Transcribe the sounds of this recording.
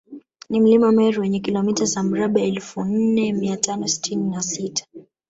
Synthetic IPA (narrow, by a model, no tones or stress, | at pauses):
nim̩limamɛɾiwɛɲɛkilɔmitazam̩ɾaɓaɛlfun̩nɛmiatanɔsi̥tʰininasitḁ